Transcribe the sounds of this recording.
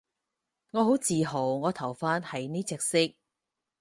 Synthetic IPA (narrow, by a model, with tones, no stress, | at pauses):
ŋɔː˨˧ɦo˨˥wt͡siː˨ɦo˨˩wŋɔː˨˧t̪ʰɐ˨˩wfaː˥nhɐ˨jniː˥t͡sɛː˧k̚sɪ˥k̚